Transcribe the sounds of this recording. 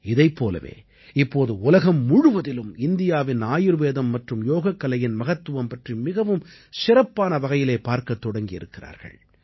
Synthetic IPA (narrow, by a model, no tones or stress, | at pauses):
ɪðɐɪpːoːlɐ̰ʋḛː | ɪpːoːðɯʊlɐɣɐmːʊɻʊʋɐðɪlɯmɪnd̪ɪjaːʋɪnaːjɪɾʋeːðɐmːɐʈrɯmjoːɣɐkːɐlɐjɪnmɐɣɐt̪ːɯʋɐmpɐʈrimɪɣɐʋɯm | sɪɾɐpːaːnɐʋɐɣɐjɪleːpaːɾkɐt̪ːɔɽɐŋɡɪjɪ̰ɾɯkːɪra̰ːɾɣɐ̰ɭ